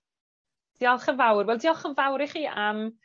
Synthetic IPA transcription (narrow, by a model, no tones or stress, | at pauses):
d̥iːɔlˠχənvawrwɛlˠdiːɔlˠχənvawɾiχiːʔam